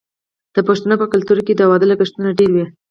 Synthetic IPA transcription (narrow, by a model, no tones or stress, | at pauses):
d̪̥əpaʃt̪anopəkalt̪uɾked̪əawɑd̪əlakəʂt̪unaɖeɾwi